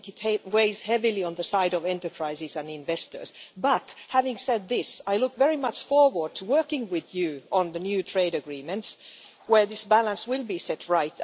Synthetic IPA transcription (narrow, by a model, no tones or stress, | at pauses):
ɨtʰheweɪz̥hɛvilˠiə̃nðəsaɪɾʌvɛ̃ntə˞pʰɹ̥aɪzɪzɨ̃nɪ̃ɱvɛstə̰˞z̥bʌthævɪ̃ŋsɛd̪̚ðɪsaɪlʊkvɛɹimʌt͡ʃfɔɹwə˞d̚tʰəwɜ˞kɪ̃ŋwɪðjʉʔə̃nðənjʉtʰɹ̥eɪɾɨɡɹĩmɨ̃nts | wə˞ðɪsbælə̃nswɪlˠbisɛtʰɹaɪt